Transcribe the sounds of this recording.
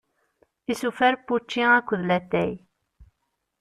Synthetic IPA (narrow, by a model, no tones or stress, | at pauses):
isufæɾpːut͡ʃːiækʷːðlæt̪ːæj